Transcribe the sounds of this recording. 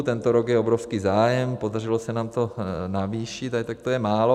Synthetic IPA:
t̪ɛnt̪oɾoɡjɛobɾofskiːzaːjɛmpodar̝ɪlosɛnaːmt̪o̞naviːʃit̪at̪ak̚t̪ojɛmaːlo

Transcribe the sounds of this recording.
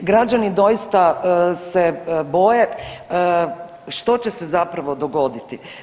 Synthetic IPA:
ɡɾad͡ʒanid̪o̞jist̪asebo̞je | ʃt̪o̞t͡ɕesezapɾaʋo̞d̪o̞ɡo̞d̪it̪i

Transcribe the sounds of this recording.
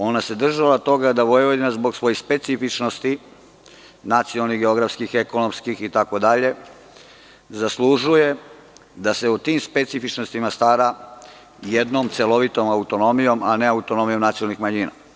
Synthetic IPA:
o̞nase̞d̪r̩ʒalat̪o̞ɡad̪aʋo̞jʋod̪imazbo̞ɡsʋo̞jespe̞t̪sifit͡ʃnost̪i | nat̪siolniɣɡeo̞ɡɾafskixeko̞nomskixit̪ako̞d̪aʎe̞ | zaslˠuʒuje | d̪ase̞ut̪imspe̞t̪sifit͡ʃnost̪imast̪aːɾa | jed̪nomt̪selo̞ʋit̪o̞maut̪o̞no̞mijo̞mane̞aut̪o̞no̞mijo̞mnat̪siolnixmaɲiːna̰

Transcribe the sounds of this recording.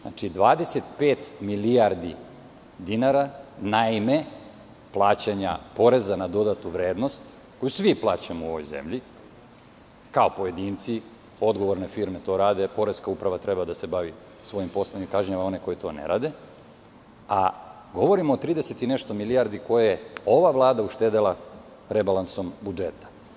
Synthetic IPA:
na̰t͡ʃid̪ʋaːd̪eset̪peːt̪miliaɾd̪i | d̪inaɾanaime | plˠaːt͡ɕaɲa̰po̞ɾe̞zanad̪o̞d̪at̪uʋɾeːd̪no̞st̪ | ko̞jusʋiplˠaːt͡ɕamouoʋojzḛmʎi | kao̞po̞je̞d̪iːnt̪si | o̞d̪ɡo̞ʋo̞ɾnefiːɾmet̪o̞ːɾaːd̪e̞po̞ɾeskaupɾaʋat̪ɾe̞bad̪asebaʋi | sʋo̞jimpo̞slˠeɲimkaʒɲamao̞neko̞jt̪o̞̰nḛɾa̰ːd̪e̞ | a̰ | ɡo̞ʋo̞ɾimoːt̪ɾiːd̪eset̪ineʃt̪o̞milijaɾd̪iko̞jajeo̞ʋaʋlˠaːd̪auʃt̪eːd̪elˠa | ɾebalanso̞mbud͡ʒet̪ḁ

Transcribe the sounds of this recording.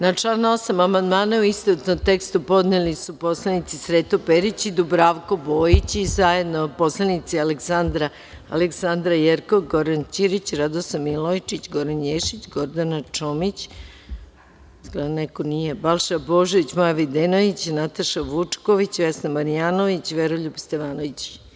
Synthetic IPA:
nat͡ʂlano̞samamand̪maːnauist̪ot̪nomt̪ekst̪upo̞d̪nelisupo̞slanit̪sisɾeːt̪opeɾit͡ɕid̪ubɾaʋko̞bo̞ːjit͡ɕizaje̞d̪nopo̞slanit̪sialeksand̪ɾa̰ː | leksand̪ɾajeɾkoʋɡo̞ɾant͡ɕiɾit͡ɕɾad̪osamilojt͡ʃit͡ɕɡo̞ɾanjeʃit͡ɕɡo̞ɾd̪anat͡ʃomit͡ɕ | zɡlanekonijebalˠʃabo̞ʒoʋit͡ɕmojaʋid̪enoit͡ɕnat̪aʃaʋut͡ʂkoʋit͡ɕʋesnamaɾijanoʋit͡ɕʋeɾoʎubst̪eʋaːnoʋit͡ɕ

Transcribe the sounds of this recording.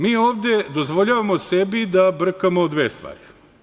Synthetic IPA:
miːo̞ːʋd̪e̞d̪ozʋo̞ʎaːʋamosebid̪abr̩kamod̪ʋeːst̪ʋa̰ːɾi

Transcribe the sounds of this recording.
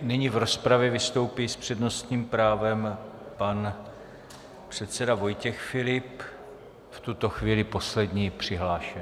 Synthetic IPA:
nɪɲivɾo̞spɾavjɛvɪst̪o̞wpiːspr̝̥ɛdno̞st̪ɲiːmpɾaːvɛm | pan | pr̝̥ɛt̪sɛdavo̞jcɛxfɪlɪp | ft̪ut̪o̞xviːlɪpo̞slɛdɲiːpr̝̥ɪɦlaːʃɛ

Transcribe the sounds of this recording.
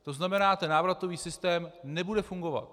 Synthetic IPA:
t̪o̞znamɛnaːt̪ɛnnaːvɾat̪o̞viːsɪst̪ɛːmnɛbudɛfuŋɡo̞va̰t̪

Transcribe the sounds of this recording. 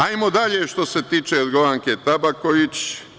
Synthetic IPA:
ajmod̪aʎeʃt̪o̞se̞t̪iːt͡ʃeod̪ɡoʋaŋket̪abakoʋit͡ɕ

